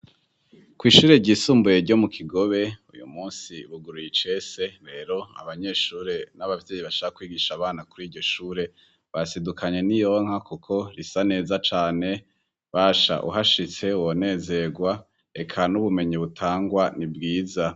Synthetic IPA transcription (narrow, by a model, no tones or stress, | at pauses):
kwiːʃuːɾeɟiːsuːmbuje̞ɾɟo̞mukʰiɡo̞βe̞ujṵmuːnsiβuɡuɾujit͡ʃe̞se̞ɾe̞ːɾo̞a̰βaɲe̞ʃuːɾe̞naβavjeːjiβaʃaakwiːɡiʃaβaːnakuɾiːɾɟo̞ʃuːɾe̞ | βasidukʰaɲe̞nijo̞ŋ̥hakukʰo̞ɾisane̞ːzat͡ʃaːne̞ | βaːʃa̰ʔṵɦaʃit͡se̞wone̞ːze̞ɡwa | ekʰanuβume̞ɲiβutʰaːŋɡwanibɡiːza